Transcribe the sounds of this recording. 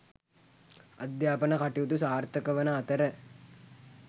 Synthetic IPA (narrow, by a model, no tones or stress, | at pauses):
ɐ̰d̪jaːpənɐkaʈiut̪usaːɾt̪əkəʋənəːt̪əɾə